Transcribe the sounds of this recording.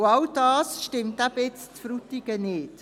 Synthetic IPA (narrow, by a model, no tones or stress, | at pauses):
ɑldɑːsʃtɪmtæbɛt͡stfɾutiɡənɪːt